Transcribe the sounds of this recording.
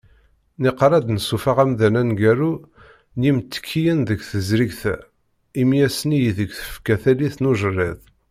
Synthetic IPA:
niqɾˤɑd̪nəsufaʁæmðænænɡæɾu | nimt̪ːə̥kʰːijənðəɡθəzɾiɡθæ̰ | imjæsnijiðəɡʷθə̥fkæθæliθnuʒərːæð

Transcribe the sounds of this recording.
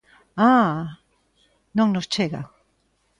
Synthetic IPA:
a | nõŋnost͡ʃeɣa̰

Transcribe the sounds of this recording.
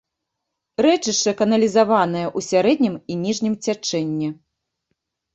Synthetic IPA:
ɾɛt͡ʂɨʂɐkɐnɐlʲizavanɨjɐʔusʲaɾɛd̪̚ʲnʲiminʲiʐnʲimt͡sʲat͡ʂɛnʲːɛ

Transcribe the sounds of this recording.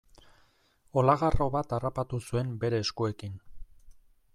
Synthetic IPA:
o̞laɣaro̞βat̪arapat̪usue̞mbe̞ɾe̞ːskue̞kin

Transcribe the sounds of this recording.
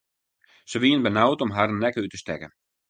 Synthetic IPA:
səʋiənbənawtɔmɦarnːɛkəytəstɛkən

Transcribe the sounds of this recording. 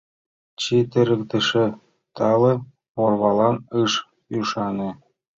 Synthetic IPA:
t͡ɕit̪ɘ̆ɾɘ̆kt̪ɘ̆ʃĕ | t̪ɑlɤ̆ | orβɑlɑnɯʃ | yʃɑnĕ

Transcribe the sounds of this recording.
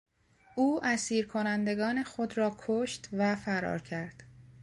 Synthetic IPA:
ʔuːʔæsiːɾkʰo̞nænd̪e̞ɡɒːne̞xo̞d̪ɾɒːkʰoʃt̪væfæɾɒ̰ːɾcʰæɾd̪̥

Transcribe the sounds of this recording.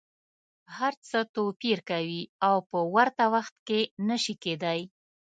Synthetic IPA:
haɾt͡sət̪opiɾkawiawpəwaɾt̪awaxt̪kenəʃiked̪aj

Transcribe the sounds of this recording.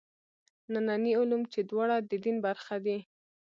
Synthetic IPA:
nananiʊlumt͡ʃed̪wɑɽad̪əd̪inbaɾxad̪i

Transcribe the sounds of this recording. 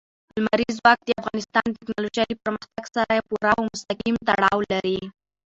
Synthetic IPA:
ʊlmaɾizwɑk̚d̪əafɣɑnɪst̪ɑnt̪ɪknɑloʒɑjipəɾməxt̪aɡsaɾapuɾawmʊst̪aqimt̪aɽɑwlaɾi

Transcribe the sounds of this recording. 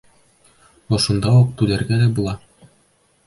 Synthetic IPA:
ŏʃund̪ɑuq̚t̪ʉd̪æɾɡæd̪æbulˠɑ

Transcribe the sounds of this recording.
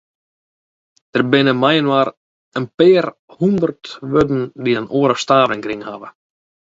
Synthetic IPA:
d̥ərbɪnəmajənwaːr | ənpɪːr | hund̪ərtʋødn̩diənʔoəɾəfstaːvəŋkɾiŋhaːʋə̰

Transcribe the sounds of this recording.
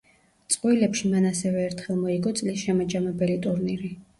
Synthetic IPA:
t̪sʼqʼwilɛpʃimanasɛvɛːɾt̪ʰχɛlˠmɔiɡɔt̪sʼlisʃɛmad͡ʒamɛbɛlit̪ʼuɾniɾi

